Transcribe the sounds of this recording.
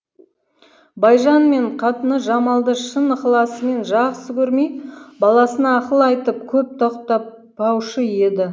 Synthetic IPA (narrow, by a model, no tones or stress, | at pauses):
bɑjʒɑnme̞ɴqʰɑt̪ənəʒɑmɑlˠd̪əʃənəqlˠɑsəme̞nʒɑʁsəkʲʰɵɾmejbɑlˠɑsənɑːqəlˠəɑjt̪əp̚kʲʰɵp̚t̪ʰoqt̪ɑ | ɑwʃəje̞d̪ɪ